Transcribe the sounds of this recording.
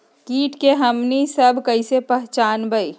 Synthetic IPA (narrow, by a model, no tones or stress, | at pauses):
kiːʈkeɦɐmnisɐbʱkɐisepəɦt͡ʃaːnbəi